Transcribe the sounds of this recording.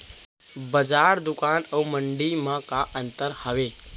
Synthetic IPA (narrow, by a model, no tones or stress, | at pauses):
bəd͡ʒaːɾd̪ʊkaːnəuməɳɖimãkaʔənt̪əɾhəʋe